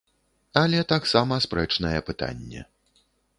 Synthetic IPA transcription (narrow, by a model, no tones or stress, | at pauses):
ɐlʲɛt̪aksamɐspɾɛt͡ʂnɐjɛpɨt̪a̰nʲːɛ̰